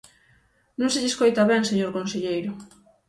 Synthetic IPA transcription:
nũŋseʎeskojt̪aβɛŋseɲoɾkonseʎejɾʊ

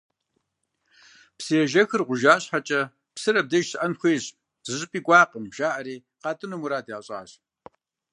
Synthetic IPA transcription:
psiɛʒɐxɨrʁʷʊʒaːɕħat͡ʃʼɐ | psɨɾɐb̚dɐʒsʔɐnxʷeːɕ | z̥ɨɕʼɪpʼiːkʷʼɑːqəmʒ̥aːʔɐɾiː | qɑːtʼɨnɐmuɾaːdaːɕʼa̰ːɕ

